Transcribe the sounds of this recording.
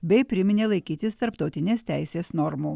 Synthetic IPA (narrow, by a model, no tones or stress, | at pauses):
bʲɛɪpʲɾʲɪmʲɪnʲeːlˠɐɪkʲiːt̪ʲɪst̪ɐɾpt̪ɒʊt̪ʲɪnʲeːst̪ʲæɪsʲeːsnɔɾmuː